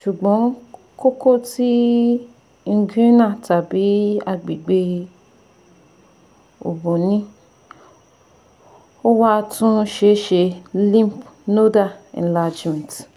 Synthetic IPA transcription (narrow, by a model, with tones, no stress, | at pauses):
ʃu˨ɡ͡bɔ̃˨˦ | ko˦ko˦ti˦ | ŋ̩˧ɡi˦nã˦˨ta˨bi˨˦a˧ɡ͡bi˨ɡ͡be˧ | o̰˨bo˨nĩ˨˦ | o˦wa˦tũ˦ʃe˧˦ʃe˧lĩ˦m˨pno˦da˦˨ɛ̰̃˨la˧d͡ʒmɛ̃˨t